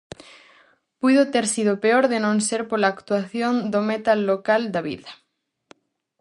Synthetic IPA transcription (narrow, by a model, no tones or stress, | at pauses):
pujðot̪eɾsið̞opeoɾðenõnseɾpolaːkt̪waθjond̪omet̪alːokald̪aβḭðɐ